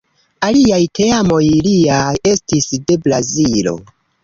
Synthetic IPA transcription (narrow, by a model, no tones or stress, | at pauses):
aliajtʰe̞amo̞jliae̞stisde̞bla̰zilo̞̰